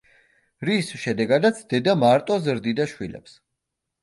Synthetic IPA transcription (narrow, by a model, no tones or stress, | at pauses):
ɾisʃɛd̪ɛɡad̪at̪sʰd̪ɛd̪amaɾt̪ʼɔzɾd̪id̪aʃwilɛ̰ps